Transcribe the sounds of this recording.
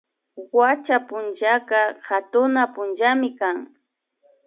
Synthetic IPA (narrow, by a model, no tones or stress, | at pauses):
wat͡ʃapʊnt͡ʃakɑhat̪ʊnapʊnt͡ʃamɪkaŋ